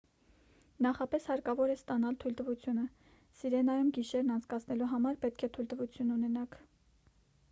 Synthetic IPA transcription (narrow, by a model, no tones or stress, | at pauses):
nɑχɑpɛshɑɾkɑvɔɾɛst̪ɑnɑlt̪ʰujlt̪əvut͡sʰjunə | siɾɛnɑjumɡiʃɛɾnɑnt͡sʰkɑt͡sʰnɛluɦɑmɑɾpɛt̪̚kʰɛt̪ʰujlt̪əvut͡sʰjununɛnɑkʰ